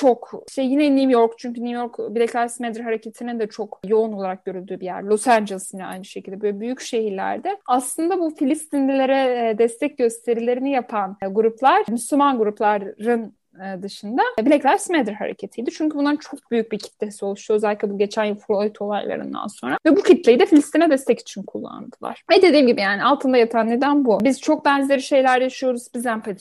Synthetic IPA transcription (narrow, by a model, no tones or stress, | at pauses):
t͡ʃʰo̞kʃt̪ɛjinɛnijo̞ɾkt͡ʃʰyɲcynujo̞ɾkbilʲɛclʲæɾsmɛd̪ɾɦaɾecʰet̪ʰinind̪ɛt͡ʃʰo̞kjo̞uno̞lˠaɾak̚ɟø̞ɾylʲd̪yːbijæ̰ɾlʲˠosænd͡ʒelˠisinʲɛa̰jnɯʃecʰilʲd̪ɛbølʲɛbyjycʃe̞ɦiɾlʲæ̰ɾd̪ɛaslˠɯnd̪abufilʲist̪ʰinlʲilʲeɾɛd̪ɛst̪ʰɛc̚ɟø̞st̪ʰe̞ɾilʲe̞ɾinijapʰanɡuɾuplˠaɾ̥myslʲymanɡuɾuplˠaɾːɯn | ɯd̪ɯʃɯnd̪abilʲɛclʲæɾsmɛd̪ɾha̰ɾḛcʰe̞t̪ʰijd̪it͡ʃʰyɲcʰybunaɾɯnt͡ʃʰo̞k̚byjyc̚bicʰi̥t̪lʲesiolˠuʃt̪uø̞zælʲːic̪ʲlʲɛbuɟe̞t͡ʃʰænjufɾoit̪ʰo̞lˠa̰jlˠa̰ɾɯ̰nd̪a̰nso̞nɾavɛbucʰit̪lʲe̞jid̪ɛfilʲist̪ʰinɛd̪ɛst̪ʰɛci̥t͡ʃʰinkʰulˠːa̰nd̪ɯlˠa̰ɾ̥ɛd̪e̞d̪iːmɟibijaːnialˠt̪ʰɯnd̪ajat̪ʰanːʲed̪ænbubiz̥t͡ʃʰo̞k̚bænzʲeɾiʃe̞jlʲæɾjaʃɯjo̞ɾuzbizd̪ænfil